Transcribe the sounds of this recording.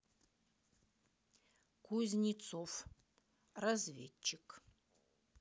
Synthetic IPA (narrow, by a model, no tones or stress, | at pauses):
kʰuzʲnʲit̪sof | razvʲet͡ʃːɪk